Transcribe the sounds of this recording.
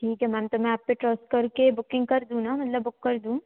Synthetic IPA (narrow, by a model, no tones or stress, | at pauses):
ʈʰiːkɦɛmɛ̃ːmt̪omɛ̃aːp̚peʈɾɔsʈ̚kɐɾkebʊkɪ̃ŋɡ̚kɐɾd̪ũːnaːmɐt̪ləbːʊkːɐɾd̪ũ